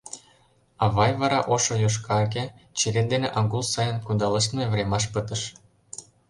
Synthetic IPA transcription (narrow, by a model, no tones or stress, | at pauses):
ɑβɑjβɑɾɑʔoʃojoʃ̬kɑɣet͡ɕeɾend̪eneʔɑŋɡulsɑjənkund̪ɑləʃ̬t̪mevɾemɑʃ̬pət̪ə̆ʃ